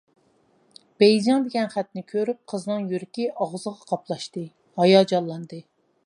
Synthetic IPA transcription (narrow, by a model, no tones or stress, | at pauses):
b̥ɛjd͡ʒɑŋd̪ɪɡʲɛnχæt̪nɪkʲʰøɾyp̚qʰəznɨŋjyɾɪkʲiʔɑʁzəʁɑqʰɑplˠɑʃt̪ɨ | hɑjɑd͡ʒɑlˠːɑnd̪ɨ